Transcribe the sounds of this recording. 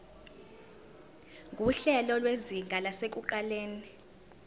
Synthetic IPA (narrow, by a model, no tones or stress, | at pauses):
ŋɡʱuɬɛlɔlweziŋɡʱalasek̬ʼuǃaleːni